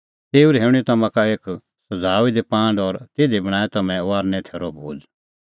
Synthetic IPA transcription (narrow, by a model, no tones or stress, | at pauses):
t̪eːuɾɦeːʊɽ̃it̪ɐmãkaeːk | sɐd͡zaːʋid̪epãːɳɖɔɾt̪eːd̪ibɐɽ̃aːɛt̪ɐmɛ̃ʋaːɾnɛ̃t̪ʰɛːɾɔbʱo̰ːd͡z